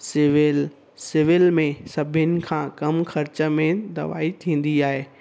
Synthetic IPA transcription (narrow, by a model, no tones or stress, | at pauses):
sɪʋɪl | sɪʋɪlmẽsɐbʱɪnɪ̆kʰãːkɐmxɐɾt͡ɕə̆mẽd̪ɐ̰ʋa̰ːit̪ʰĩːn̆d̪iaːɦeː